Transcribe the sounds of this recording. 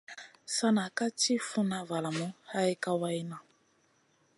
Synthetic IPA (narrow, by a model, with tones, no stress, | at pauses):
sa˦na˨ka˦t͡ʃi˦fu˦nã˦va˨la˨mũ˦ha˦ɛ˦ka˦wa˦i˦nã˨